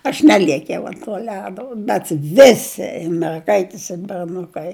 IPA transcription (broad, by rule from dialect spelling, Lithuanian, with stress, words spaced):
ɐʃ ˈnʲæːlʲiɛkʲɛʊ ɐnt tuɔ ˈlʲæːdoː bʲɛt ˈʋʲɪsʲɪ ɪr mʲɛrˈɡɐɪtʲɪs ɪr bʲɛrˈnʊkɐɪ